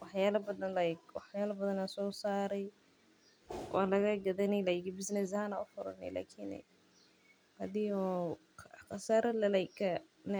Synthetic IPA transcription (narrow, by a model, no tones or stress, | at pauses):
wɑħjaːlɐbɐðɐnlɐjkwɑħjaːlɐbɐðɐnasɔːsaːɾɛj | wʔa̰ːlɐɣɐɡɐðɐnɛlajkɪbɪsnɛs̬ɐhanaʊfʊɾɐ̰nːɛ̰la̰ːkʰɪn̰ | hɐðɪjɔ | xɑsaːɾɐlɐlɐjkʰːɐn